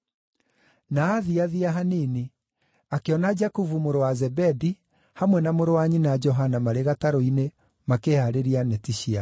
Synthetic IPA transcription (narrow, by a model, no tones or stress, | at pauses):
naːðiaðiaɦanini | akeɔnad͡ʒakuvumoɾowazɛbɛdi | hamwɛnamoɾowaɲinad͡ʒɔɦanamaɾeɣataɾoine | makehaɾeɾianɛtiʃia